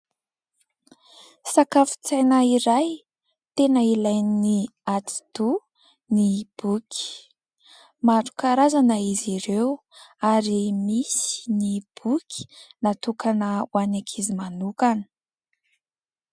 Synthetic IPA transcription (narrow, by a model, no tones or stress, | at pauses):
sakafi̥t͡sajnəiɾaj | t̪enəilajniniat͡si̥t̪u | nib̥ukʲi̥ | maɾu̥kaɾazanəiziɾew | aɾimisi̥nib̥ukʲʰi̥nat̪ukanəwanakʰizimanukani̥